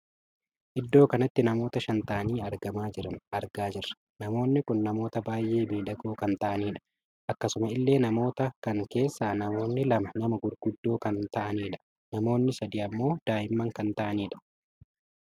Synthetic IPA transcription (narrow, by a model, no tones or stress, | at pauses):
ʔɪd̪ːo̞ːkɐnɐt̪ːɪnɐmo̞ːt̪ɐʃɐnt̪ɐʔɐniːɐɾɡɐmaːd͡ʒɪɾɐnʔɐɾɡaːd͡ʒɪɾɐ | nɐmo̞ːnːɪkʊnːɐmo̞ːt̪ɐbaːjʔe̞ːbiːᶑɐɡoːkɐnt̪ɐʔɐniːᶑɐ̥ | ʔɐkːɐsʊmɐɪlːe̞ːnɐmo̞ːt̪ɐkɐŋke̞ːsːaːnɐmo̞ːnːɪlɐmɐnɐmɐɡʊɾɡʊd̪ːoːkɐnt̪ɐʔɐniːᶑɐ̥ | nɐmo̞ːnːɪsɐd̪iːɐmːo̞ːd̪̥aːjɪmːɐŋkɐnt̪ɐʔɐniːᶑɐ̥